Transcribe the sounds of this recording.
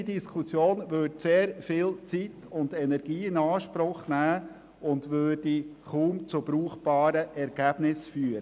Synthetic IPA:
idiskʰʊsjoːnʋøɾtseːɾfɪlt͡sitʊndɛnɛɾɡ̥iːɪnɑːʃpɾʊχnæː | ʊndʋøːrd̥iχuːmt͡sʊb̥ɾuːχb̥ɑːɾəʔɛɾɡ̥æːb̥nɪsfyːɾə

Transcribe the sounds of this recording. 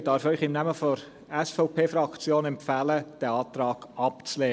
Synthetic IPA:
d̥ɑɾfœʏχɪmnɛməfɔɾ | ɛsfɔʊpʰeːfɾɑkt͡sjoːnɛmpfæːləd̥ɛɑːt̪ɾɑːɡ̥ɑpt͡slɛː

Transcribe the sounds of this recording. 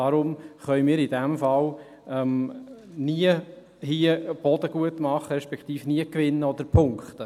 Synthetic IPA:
d̥ɑɾʊmχœjmiːɾidɛmfɑl | ɛm | niə | hiəb̥ɔd̥əɡ̥uətmɑχəɾɛʃpɛkχt̪iːfniəkʋɪnːəɔd̪əɾpʰʊŋkχt̪ə

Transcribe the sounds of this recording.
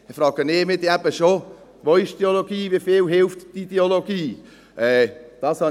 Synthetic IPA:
ɪfrɑːɡənɪːmɪdeɛb̥əʃo | voɪʃd̥eoloɡiːvifɪlɦɪlftd̥ideoloɡiː | ʔɛːd̥ɑːshɑ

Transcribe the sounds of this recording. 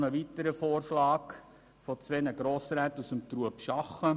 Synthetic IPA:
nəʋitəɾəfoːrʃlɑːk | fɔt͡sʋɛnəɡɾoːsɾɛːtusəmtɾuəpʃɑχə

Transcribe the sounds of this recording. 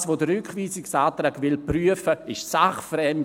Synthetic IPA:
sʋoːdəɾʏkχviːsɪksaːtɾaːɡʋɪlpryəfəɪʃsaχfɾɛmt

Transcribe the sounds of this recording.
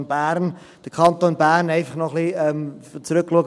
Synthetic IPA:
nbæːɾn | d̥əkʰɑnt̪oːnbæːɾnɛɪfɑχnɔχliɛmt͡sɾʏkːluəɡ

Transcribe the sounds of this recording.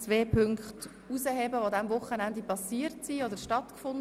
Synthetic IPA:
t͡sʋeːpʰʏŋkχt | uzəɦebəʋod̪ɛmvʊχːənænd̪ipɑsiːəɾtsiːodəʃtɑtkfʊn

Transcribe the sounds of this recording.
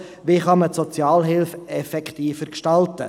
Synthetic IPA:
ʋiχɑmətsɔt͡sjɑːlɦɪlfɛfɛkt̪iːfəɾkʃtɑltə̰

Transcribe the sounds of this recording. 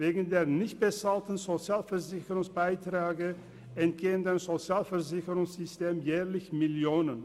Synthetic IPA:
veːɡŋ̩deːɐnɪçt̚b̥ət͡saːltn̩zot͡sjaːlfɛɐzɪçəʁʊŋsb̥aɪtʁ̥aːɡə | ʔɛnt̚ɡ̥eːəndaɪmzot͡sjaːlfɛɐzɪçəʁʊŋsz̥ʏsteːmjɛːʁlɪçmɪljoːnən

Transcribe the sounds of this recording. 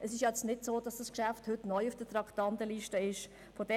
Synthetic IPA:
ʔəsɪʃjɑɛt͡snɪtsoːd̥ɑsd̥ɑskʃæfthʏtnɔʏufd̥ətɾɑktɑntəliʃtəɪʃ | fɔd̥ɛ

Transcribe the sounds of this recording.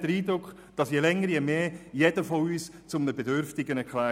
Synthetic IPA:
d̥əɾiːdɾʊkː | d̥ɑsjelɛŋːəɾjɛmeːjɛd̥əfɔyːst͡sʊmnəbedøɾftɪɡənɛkʰlæː

